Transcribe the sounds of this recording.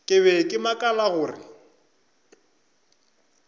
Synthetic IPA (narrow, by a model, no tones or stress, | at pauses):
kʼɪβɛkʼɪmakʼalaɣʊːrɪ̰